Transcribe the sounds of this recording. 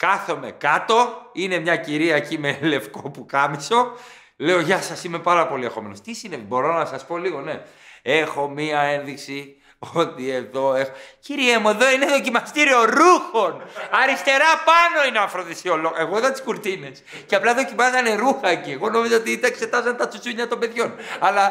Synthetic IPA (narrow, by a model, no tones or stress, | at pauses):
kɐθo̞me̞̰kɐt̪o̞ine̞mɲɐciɾiɐecimele̞fkopukɐmiso̞ | le̞oʝɐsɐsime̞pɐɾɐpo̞lie̞xo̞me̞nost̪isine̞vibo̞ɾo̞nɐsɐspo̞liɣo̞ne̞e̞xo̞miɐe̞nðiksi | ot̪ie̞ðo̞e̞xociɾiemue̞ðo̞ineðo̞cimɐst̪iɾio̞ɾuxo̞nɐɾist̪e̞ɾɐpɐno̞ineɐɱfɾonðisioloɣe̞ɣoiðɐnt̪i̥skuɾt̪ine̞s | ceɐplɐðo̞cimɐzet̪ɐne̞ɾuxɐecie̞ɣo̞no̞mizoot̪iit̪ɐekse̞t̪ɐzɐnt̪ɐt͡susuɲɐt̪ombe̞ðʝo̞nɐlɐ